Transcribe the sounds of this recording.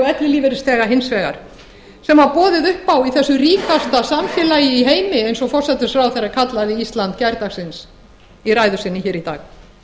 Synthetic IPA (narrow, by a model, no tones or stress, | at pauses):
ɛt̪lɪliːvɪɾɪst̪ɛːɣaɦɪnsvɛːɣa̰ɾ̥ | sɛmaɾpɔːðɪðʏhpːawiθɛsːʏriːkast̪asamfjɛlaːjɪiɦeːjmɪejnsɔɣfɔr̥sɛt̪ɪsfɾawθɛrakʰat̪laðɪist̪lant̪cɛɾt̪axsɪns | iɾajðʏsɪnːɪçɛːɾit̪a̰ːɣ